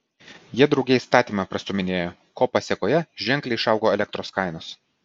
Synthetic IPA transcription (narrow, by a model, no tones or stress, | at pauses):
jiɛd̪ɾɒʊɡʲɛst̪ɑːt̪ʲiːmɑpɾɐst̪ʊːmʲɪnʲeːjoː | koːpɐsʲɛkoːjɛʒʲɛŋʲklʲɛɪʃɐˑʊɡoːɛlʲɛk̚t̪ɾoːskɐɪnoːs